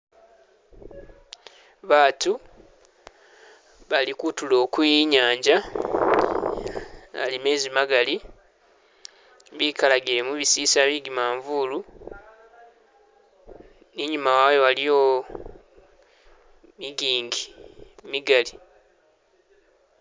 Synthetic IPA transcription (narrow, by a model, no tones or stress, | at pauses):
βaːtu | βalikutulo̞ːkujiɲaːɲɟa | a̰lime̞ːzimaɡali | βikalaɡiɾe̞muβisiːsaβiɡimaːɱvulu | niɲumawajowalijo | miɡiːŋɡimiɡali